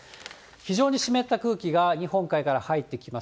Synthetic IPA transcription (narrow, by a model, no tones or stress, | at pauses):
çiʑo̞ːɲ̟iɕime̞t̪ːakɯ̟ːkʲiɡaɲ̟ihõ̞ŋkaikaɾahait̪ːe̞kʲimas